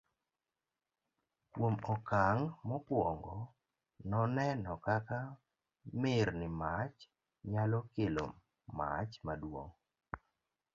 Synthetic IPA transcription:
kwomɔkaŋmɔpwɔŋɡɔ | nɔnɛnɔkaka | mɪɾnɪmat͡ʃ | ɲalɔkɪlo̰mː | a̰t͡ʃmadwo̰ŋ

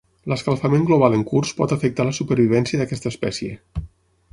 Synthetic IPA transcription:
ləskalˠfameŋɡloβ̞alˠəŋkurspɔt̪əfək̚t̪aləsupəɾβ̞iβ̞ɛnsiəðəkɛst̪əspɛsje

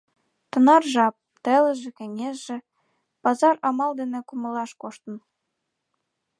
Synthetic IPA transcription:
t̪ɤ̆nɑrʒɑp̚t̪ĕlə̆ʒĕkɘ̆ŋʲeʒĕ | pɑzɑrɑmɑld̪enĕkuməlɑʃkoʃt̪ə̆n

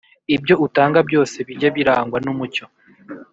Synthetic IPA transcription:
ibɟo̞utaːŋɡabɟo̞ːse̞βiɟaβiɾaːŋɡwanumuco̞

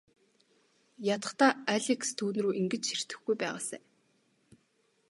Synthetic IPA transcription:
jat̪ə̥̆χt̪aːaɮʲikst̪ʰuːnruːʔiŋɡɘ̆t͡ɕxir̥t̪ɘ̆xɡujpæːʁaːsæ̰ː

